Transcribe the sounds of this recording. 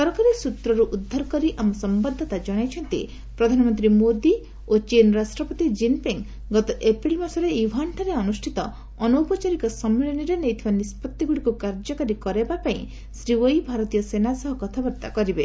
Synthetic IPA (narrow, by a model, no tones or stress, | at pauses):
sɔɾɔkaɾesut̪ɾɔɾuʔud̪ʱːaɾɔkɔɾiʔamɔsɔmbɔd̪ʱːɔt̪ad͡ʒɔɽ̃ajt͡ʃʰɔnt̪ḭ | pɾɔd̪ʱanɔmɔnt̪ɾimod̪i | ot͡ʃenɾasʈɾɔpɔt̪id͡ʒimpiŋ | ɡɔt̪ɔʔepɾilmasɔɾeibʱaɳʈʰaɾeɔnusʈʰit̪ɔ | ɔnoupɔt͡ʃaɾikɔsɔmːiɭɔniɾenejt̪ʰibanispɔt̪ːiɡuɽikukaɾd͡ʒɔkaɾikɔɾebapaĩ | sɾiwojbʱaɾɔt̪ijɔsenasɔɦɔkɔt̪ʰabɔɾt̪a̰kɔɾibe